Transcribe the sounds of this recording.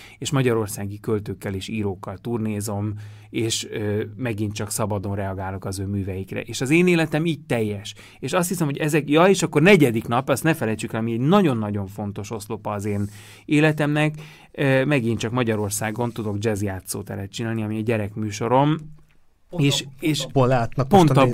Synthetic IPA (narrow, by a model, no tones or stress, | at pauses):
eːʃmɒɟɒɾo̞rsaːɡikø̞lt̪øːkːɛleːʃiːɾoːkːɒlt̪urneːzo̞m | eːʃømɛɡint̪t͡ʃɒksɒbɒd̪o̞nrɛɒɡaːlokɒzøːmyːvɛjikrɛ̰ʔeːʃɒzeːneːlɛt̪ɛmiːɟ̚t̪ɛjːɛʃ | eːʃɒst̪hisɛmho̞ɟɛzɛkjɒeːʃɒkːo̞rnɛɟɛd̪iknɒpːɒst̪nɛfɛlɛjt͡ʃykɛlɒmiɛɟnɒɟo̞nːɒɟo̞ɱfo̞n̪t̪o̞ʃo̞slopɒːzeːn | eːlɛt̪ɛmnɛk | ømɛɡint͡ʃɒkmɒɟɒɾo̞rsaːɡo̞nt̪ud̪o̞ɡd͡ʒɛzijaːt̪so̰ːt̪ɛ̰ɾɛtt͡ʃinaːlniɒmiɒɟɛɾɛkmyːʃo̞ɾo̞m | eːʃeːʃpolaːt̪nɒpo̞nɒ